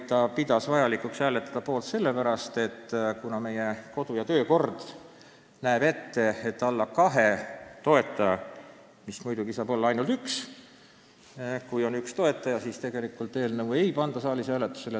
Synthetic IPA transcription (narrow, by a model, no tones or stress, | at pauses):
t̪ːɑpid̪̥ɑsvɑjɑlikˑuksæːle̞t̪ːˑɑd̪̥ɑpo̞ːlt̪se̞lːepæɾɑst̪e̞t̪ːkunɑme̞jeko̞d̪ujɑt̪øːko̞rd̪̥ | næːb̥e̞t̪ːe̞et̪ːˑɑlːɑkɑɦe̞t̪o̞e̞t̪ˑːɑjɑ | mismujd̪uɡisɑːbo̞lːɑɑjnult̪yks | kujo̞nykst̪o̞e̞t̪ːˑɑjɑsiːst̪e̞ɡ̥e̞likˑult̪ːˑe̞ːlnɤwe̞jpɑnd̪̥ɑsɑːlisæːlet̪ːˑu̥se̞le